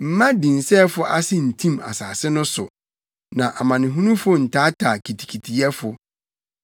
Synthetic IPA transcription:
m̩˨mã˦dĩ˨n̩˨sɛː˦fʊ˦ʔa˦sɪ˦n̩˨tʰĩ˦ma̰˨saː˨sɪ˦nʊ̃˦sʊ̰˨ | nã˨ʔa˨mã˨nɪ̃˨ɦũ˦nũ˦fʊ˦n̩˨tʰaː˦tʰaː˨kʰi˨tʰi̥˨kʰi˨tʰi˨ɛ˦fʊ˨

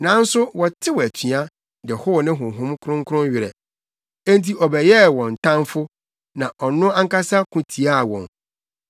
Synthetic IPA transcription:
nã˨˦n̩˦sʊ˦wɔ˨tʰɪ˦wɔ˨æ˨tʰi˨a˦ | dɪ˨ɛ˨hʊ˦˨nɪ̃˦ɦʊ̃˨ɦʊ̃˦mkʰʊ̃˦ŋ˦kʰʊ˦ɾʊ̃˦nɥɪ˨ɾɛ̰˨ | ẽ˦n˦ti˦ʔɔ˨bɛ˨jɛ˦wɔ̃˨n̩˨tʰã˦nfʊ˦ | nã˨ʔɔ˨nʊ̃˦a˦ŋ˦ka˦sa˦kʰʊ̃˦tʰi˨a˦˨wɔ̰̃˨n

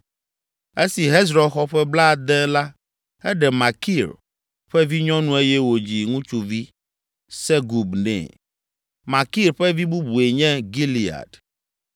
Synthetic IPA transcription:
e˦si˨ɦe˦zɾɔ˨xɔ˦ɸɛ˦bla˦˨d̪ɛ˦la˦ | ɛ˦ɖɛ˨ma˨ki˦˨ɾ | ɸɛ˦vi˦ɲɔ̃˦nũ˦e˦jɛ˦wo˨d͡ʑi˨ŋũ˦t͡ʃu˨vi˦ | sɛ˦ɡu˨bnɛ̰̃˨ | ma˨ki˦˨ɾɸɛ˦vi˦bu˦bu˨e˨ɲɛ̃˦ɡi˦li˨a̰˨d

